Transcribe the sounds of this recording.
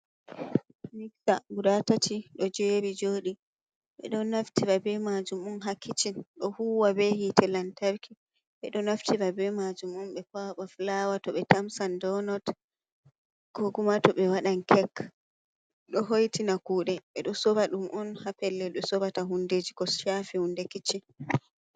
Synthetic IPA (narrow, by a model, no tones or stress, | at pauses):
miksa̰ɡuɾatatʰiɗɔd͡ʒɛɾid͡ʒoːɗi | ɓɛ̰ɗɔnaftiɾabɛmad͡ʒumɔnɦakʰːit͡ʃinɗɔhuwabɛhitʰɛlantaɾkʰi | ɓɛɗɔnaftiɾabɛmad͡ʒumɔnɓɛpaɓaflawatɔɓɛtamsandɔnɔt | ɡ̥oɡumatɔɓɛwaɗankʰɛk | ɗɔɦojtinakuːɗɛɓɛɗɔsɔbaɗumʔɔnhapɛlːɛɗɔsɔbataɦunded͡ʒikɔʃafihundɛkit͡ʃːin